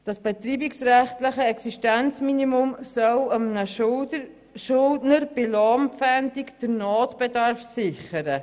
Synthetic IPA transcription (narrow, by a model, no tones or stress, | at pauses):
d̥ɑsb̥ɛtɾiːbiksɾɛχtləχəɛksiʃtɛnt͡sminimʊmsœləmnə | ʃʊldnəɾb̥ɪlɑmpfɛndikd̥əɾnɔːtb̥ɛdɑɾfsɪχəɾə